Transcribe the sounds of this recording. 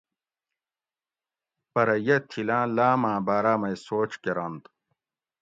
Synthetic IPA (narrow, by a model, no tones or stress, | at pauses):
pɐɾɐjɐt̪ʰilãːlaːmãːbaːɾaːmɐjsoːt͡ɕkeɾɐnt̪